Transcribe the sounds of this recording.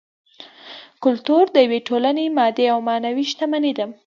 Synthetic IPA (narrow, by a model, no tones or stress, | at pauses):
kʊlt̪uɾd̪əjaweʈolanemɑd̪eawmɑnawiʃt̪amaned̪am